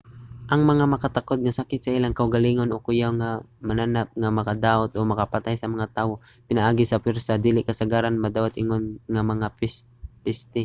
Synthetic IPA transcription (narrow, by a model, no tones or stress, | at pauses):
ʔɐŋmɐŋamɐkat̪akod̪̚ŋasakɪt̪saʔilaŋkɐʔʊɡaliŋonʔokʊjawŋamananap̚ŋamɐkad̪aːʔot̪ʔomɐkapat̪ajsɐmɐŋat̪aːwo | pɪnaʔaːɡɪsɐpɛɾsad̪iːlɪʔkɐsaɡaːɾanmɐd̪aːwat̪ʔɪŋonŋamɐŋa | pɪst̪ɪ